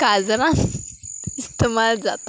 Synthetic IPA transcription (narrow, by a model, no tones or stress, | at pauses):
kad͡zɾãn | ist̪emald͡za̰t̪a